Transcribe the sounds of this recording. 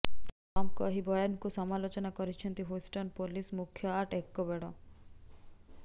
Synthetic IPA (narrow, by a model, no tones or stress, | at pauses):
ɔmkɔɦibɔjɔnkusɔmalot͡ʃɔnakɔɾit͡ʃʰɔnt̪iɦusʈɔnpolismukʰjɔaʈekːɔbeɽɔ